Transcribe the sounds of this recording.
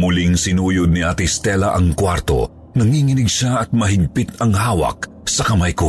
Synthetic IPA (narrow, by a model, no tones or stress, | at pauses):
mʊliŋsɪnuːjʊd̪̚nɪʔat̪ɪst̪ɛlɐʔɐŋkwaɾt̪o̞̰ | nɐŋiŋɪnɪɡʃaʔɐt̪̚mɐɦɪɡ̚pɪt̪ɐŋhaːwɐ̰k̚ | sɐkɐmajko